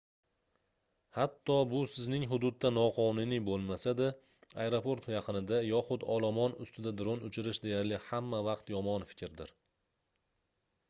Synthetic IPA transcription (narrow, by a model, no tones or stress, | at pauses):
hat̪ʰːɒbʊsɪznɪŋɦʊd̪ʊd̪ːanɒqʰɒnʊnibolˠmasad̪a | ajeɾopʰo̞ɾt̪jɑqʰɨnɪd̪ajɒχʊd̪ɒlˠamɒnʊst̪ɪd̪ad̪ɾonʊt͡ʃʰɪɾɪʃd̪e̞jaɾlɪhamːavɑqt̪jɒmɒnfɪ̥kʲɾd̪ɪɾ